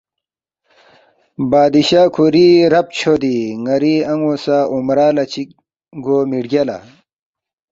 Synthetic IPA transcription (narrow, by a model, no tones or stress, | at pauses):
baːd̪iɕaːkʰuɾiɾɐp̚t͡ɕʰod̪iŋɐɾiɐŋosaːʔumɾaːlɐt͡ɕi | ɡoːmiɖɡʲɐla̰